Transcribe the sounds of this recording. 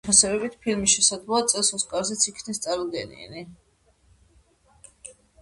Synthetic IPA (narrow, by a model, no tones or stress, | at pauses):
pʰasɛbɛbit̪ʰpʰilmisʃɛsad̪zlˠɔat̪sʼɛlˠsɔskʼaɾzɛt̪sʰikʰnɛst̪sʼaɾlɡɛnḭɛ̰ni